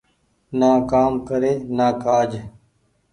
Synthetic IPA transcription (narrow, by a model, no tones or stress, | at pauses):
naːkaːmkəɾeːnaːkaːd͡ʒ